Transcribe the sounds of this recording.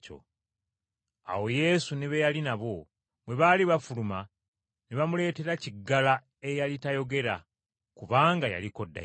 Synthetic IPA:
o̰ | a̰wo̞je̞suneβejalinaβo̞ | mwe̞βaliβafuluma | neβamule̞ːte̞ɾaciɡːala | e̞jalitajo̞ɡe̞ɾa̰ | kuβaːŋɡaja̰liko̞dːa̰

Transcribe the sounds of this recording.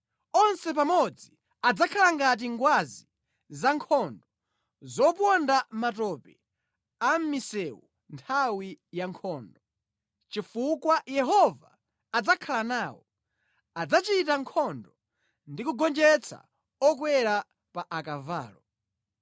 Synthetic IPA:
ɔnsɛp̬amɔd͡zi | ad͡zakʰalaŋɡat̬iŋɡwazi | zaŋkʰɔndɔ | zɔp̬ɔndamatɔpɛ | am̩misɛwu | ntʰawijaŋkʰɔːndɔ | t͡ʃifukwajɛɦɔva̰ː | d͡zakʰalanaːwɔ | ad͡zat͡ʃitaŋkʰɔndɔ | ndikuɡɔnd͡ʒɛt͡sʰa̰ | ɔk̬wɛɾa | paʔakava̰ːlɔ

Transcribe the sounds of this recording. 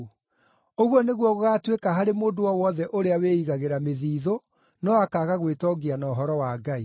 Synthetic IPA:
oɣwɔneɣwɔɣoɣaːtwekaɦaɾemoːndowɔwɔðɛʔoɾeaweːiɣaɣeɾameðiːðo | nɔakaːɣaɣwetɔɡianaoɦɔɾɔwaɡai

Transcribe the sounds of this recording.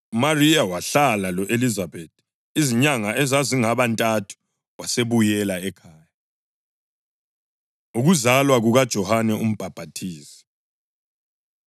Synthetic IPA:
umariawaɬalalɔʔelizabetʰ | iziɲaŋaʔɛzaziŋaβantʼatʰu̥ | waseβujɛlaɛkʰaːja | uɣuzalwaɣuɣad̥ʒ̥ʱɔhanɛum̩b̥ʱab̥ʱatʰiːsi̥

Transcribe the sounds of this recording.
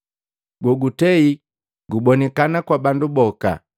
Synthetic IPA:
ɡɔɡutɛi | ɡubɔnɛkanakwabandubɔka̰

